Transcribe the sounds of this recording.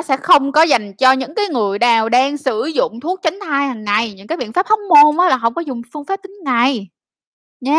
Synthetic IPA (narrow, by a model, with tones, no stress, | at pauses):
sɛ̰˧˥xə˧wŋ͡mkɔ˨˦za˨˩jŋ̟t͡ɕɔ˧ɲɨ̰˧˥ŋkaː˨˦jŋɨ˨˩əjɗaː˨˩wɗaː˧ŋsɨ̰˧˩zʊ̰˧˨ŋ͡mt̪ʰu˦˥ək̚t͡ɕa˨˦ŋ̟t̪ʰaː˧jha˨˩ŋːa˨˩jɲɨ̰˧˥ŋkaː˨˦jɓḭ˧ənfa˦˥p̚hɔ˦˥wk͡p̚mo˧nʔaː˨˦laː˨˩hə˧˩wŋ͡mkɔ˨˦zʊ˨˩ŋ͡mfɨ˧əŋfaː˦˥p̚t̪ï˨˦ŋŋa˨˩j | ɲa˨˦